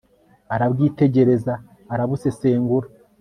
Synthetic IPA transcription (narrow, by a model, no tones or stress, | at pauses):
aɾabɡiːte̞ɟe̞ɾe̞zaː | ɾaβuse̞se̞ːŋɡuɾa